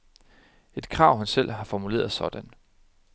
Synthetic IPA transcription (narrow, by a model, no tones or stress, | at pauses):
e̝d̥kʰʁɑ̈ʊ̰hænsel̰ɦɑ̈fɒmule̝̰ːɐð̩ˠsɒ̽d̥æn